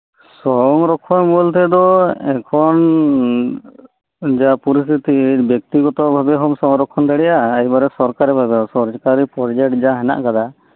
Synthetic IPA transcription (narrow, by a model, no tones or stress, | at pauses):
sɔŋɾɔkʰːɔnbɔlt̪ɛd̪ɔɛkʰɔn | d͡ʒapuɾist̪ʰit̪ibjɔk̚t̪iɡɔt̪ɔbʱabɛɦɔmsɔŋɾɔkʰːɔnd̪aɽɛjaːjbaɾɛsɔɾkaɾɛbʱabɛɔsɔɾd͡ʒkaɾipɔɾd͡ʒɛk̚ʈd͡ʒaɦɛna̰ʔkad̪a